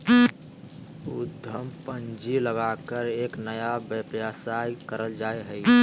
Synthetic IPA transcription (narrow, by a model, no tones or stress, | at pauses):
ud̪ʱəmpənd͡ʒiləɡakəɾeːknəjabəpjasakəɾəld͡ʒaeɦəi